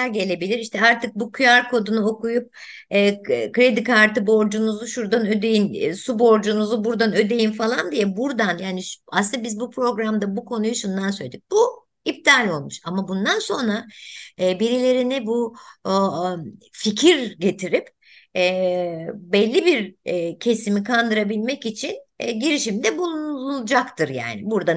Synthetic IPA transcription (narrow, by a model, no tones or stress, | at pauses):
æɾɟe̞lʲe̞bilʲiɾiʃt̪ʰɛaɾt̪ʰɯk̚bukʰujaɾkʰo̞d̪unuo̞kujup̚ | ɛːkɾe̞d̪ikʰaɾt̪ɯbo̞ɾd͡ʒunuzuʃuɾd̪anø̞d̪e̞jinsubo̞ɾd͡ʒunuzubuɾd̪anø̞d̪e̞jinfalˠand̪ijɛbuɾd̪anjaːniʃa̰sɯnd̪abizbupʰɾo̞ɡɾamd̪abukʰo̞nujuʃund̪ans̬øjʲed̪ic̚b̥u | ip̚d̪aːlʲo̞lˠmuʃamabund̪anso̞nɾa | biɾilʲe̞ɾinɪbu | ficʰiɾɟe̞t̪ʰiɾip | ɛ | bɛlʲːibiɾcʰe̞simikʰand̪ɯɾabilʲmɛcit͡ʃʰinɟiɾiʃimd̪ɛbulˠunlˠd͡ʒakt̪ʰɯɾja̰ːnibuɾd̪a